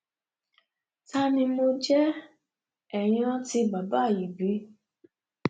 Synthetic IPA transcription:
ta˦nĩ˧mo˧d͡ʒɛ˦ | ɛ˨j̃ã˧ti˧ba˨ba˨˦˨ji˨bi˨˦

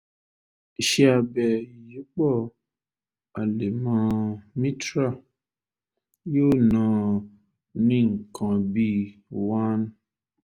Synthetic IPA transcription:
ʃe˦a˨bɛ˨ji˨˦k͡pɔ˦˨ | a˨le˨mã˨˧mĩ˦tɾa˦˨ | jo˦nɔ̃˨ | nĩ˦˨ŋ̩˨kʰɔ̃˨bi˦wã˦n

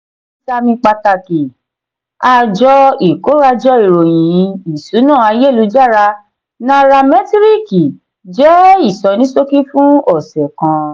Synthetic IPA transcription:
sa˧mĩ˧k͡pa˧ta˧ki˨ | a˧d͡ʒɔ˧i˨ko˨˦ɾa˧d͡ʒɔ˧i˨ɾo˨j̃ĩ˨˦i˨su˨˦nã˦˨a˧je˦˨lu˨˧˦d͡ʒa˦˨ɾa˧ | nã˦ɾa˧mɛ˦ti˦ɾi˦ki˨ | d͡ʒɛ˦i˦˨sɔ˨˦nĩ˨˦so˦ki˦fũ˦ɔ˦˨sɛ˨kã˧

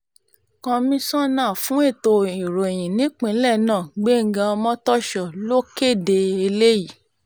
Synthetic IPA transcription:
kɔ̃˧mĩ˧sɔ̃˦nãː˦˨fũ˨˦e˦˨to˧i˨ɾo˨e˨j̃ĩ˨nĩ˨˦k͡pĩ˧˦lɛ˦˨nãː˦˨ɡ͡be˦ŋ̩˦ɡã˧ɔ˧mɔ̃˦tɔ˦ʃɔ˨lo˦ke˦˨de˧e˧le˦ji˨

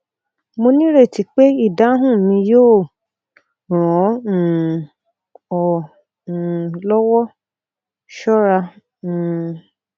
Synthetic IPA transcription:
mo˧nĩ˦ɾe˦˨ti˨˦k͡pe˦i˦˨da˨˦ɦũ˦˨mĩ˧joː˦˨ | ɾ̃ɔ̃˨˦˨ | ɔ̃˨ | lɔ˦wɔ˦ | ʃɔ˦ɾã˧˨

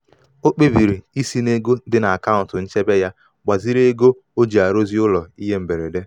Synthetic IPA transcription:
o˦k͡pe˦bi˨ɾi˨i˦si˦ne˦ɡo˦dɪ˦na˨a˨ka˦ʊ̃˨n̩˨tʊ˨n̩˦t͡ʃe˦be˦ja˦ | ɡ͡ba˨zi˦ɾe˦ɡo˦ | o˦d͡ʒi˨a˨ɾo˦zi˦ʊ˦lɔ˨i˦ɦe˦m̩˨be˨ɾe˨de˦

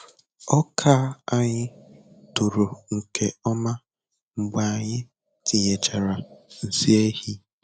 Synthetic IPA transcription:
ɔ˦kʰa˦a˦ɲɪ˦tu˨ɾu˨ŋ̩˨ke˨ɔ˦ma˦ | ŋ͡m̩˨ɡ͡ba˨a˨ɲɪ˦ | ti˨ɲe˨t͡ʃa˨ɾa˨n̩˨si˦e˦hi˦

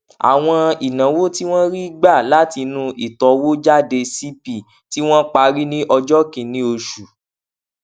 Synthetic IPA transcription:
a̰˨w̃ɔ̃˧i˨nã˨˦wo˦ti˦w̃ɔ̃˦ɾi˦ɡ͡ba˦˨la˨˦ti˧nũ˦ʔi˨tɔ˨wo˦d͡ʒa˦˨de˧si˦pi˨ | ti˦w̃ɔ̃˦k͡pa˧ɾi˦nĩ˦ʔɔ˧d͡ʒɔ˦kĩ˨nĩ˦o˧ʃu˨

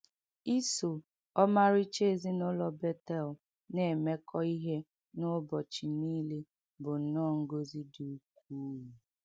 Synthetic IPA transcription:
i˦so˨ | ɔ˦ma˦ɾi˦t͡ʃe˦˨zi˦nʊ˦lɔ˨be˦tɛ˦˨l | ne˨e˨me˦kʰɔ˦i˦ɦe˦ | nʊ˦bɔ˨t͡ʃi˨niː˦le˦ | bʊ˨n̩˨nɔ˦˨ŋ̩˦ɡo˦zi˦du˨k̚ʷuː˦u˨

